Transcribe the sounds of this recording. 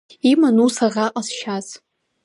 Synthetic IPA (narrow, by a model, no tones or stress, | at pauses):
imanusaʁaqʼasʃaz